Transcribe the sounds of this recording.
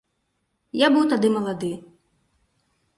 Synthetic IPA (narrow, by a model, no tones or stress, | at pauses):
jabuwt̪ad̪ɪmɐlˠad̪ɪ